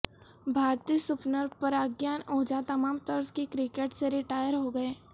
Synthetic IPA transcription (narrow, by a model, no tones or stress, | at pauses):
bʱaːɾt̪iːsʊpnəɾpɐɾaɡjaːnoːd͡ʒat̪ɐmaːmt̪ɐɾskikɾɪkeːʈseɾɪʈaːjəɾɦoɡɐeː